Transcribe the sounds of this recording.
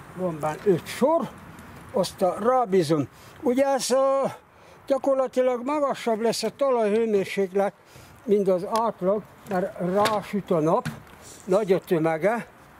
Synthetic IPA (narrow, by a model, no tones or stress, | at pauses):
rombanøt̪ʃor | ost̪ɒraːbizon | uɟɛs | ɟ̥ɒkorlɒt̪ilɒɡmɒɡɒʃːɒblɛsːɛt̪ɒlɒjhøːmeːrʃeːklɛt̪ | mint̪ɒzaːt̪lɒɡ | mɛrraːʃyt̪onɒp | nɒɟɒt̪ømɛɡɛ